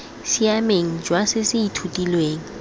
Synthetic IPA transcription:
siameŋ̩d͡ʒwasɪsɪitʰutʼilweːŋ̩

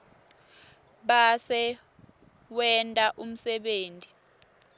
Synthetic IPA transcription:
ɓasɛ | wɛntʼaʔum̩sɛɓeːntʼi

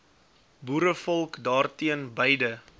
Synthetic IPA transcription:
buːɾəfɔlˠkdɑːrtiənbəjdə

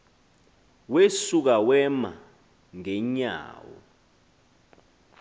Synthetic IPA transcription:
wesuk̬awɛma | ŋɛɲa̰ːwɔ̰

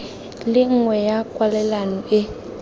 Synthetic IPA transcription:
lɪŋ̩ŋwɛjakʼwalɛlanɔɪ

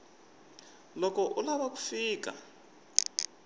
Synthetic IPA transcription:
lɔkɔʔulaβaku̥fiːka̰

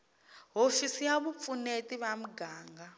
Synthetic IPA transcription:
ɦofisijaβup̪funetiβam̩ɡaːŋɡa

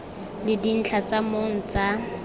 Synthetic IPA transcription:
lɪdin̩t͡ɬʰat͡samoŋ̩t͡sa

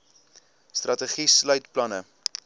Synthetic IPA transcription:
strʔɐtəχislœɥtplɐnə

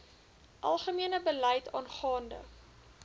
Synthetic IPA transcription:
ʔɐ̰lˠχəmiənəbəlɛjtʰɑ̰ːnχɑːndə̰

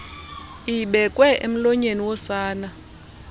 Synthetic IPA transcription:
iɓɛkʼwɛʔḛm̩lɔɲeniwɔsaːna

